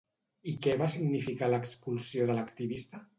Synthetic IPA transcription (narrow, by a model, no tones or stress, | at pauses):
ikɛβasiɡnifikaləkspulˠsjoðələkt̪iβist̪ə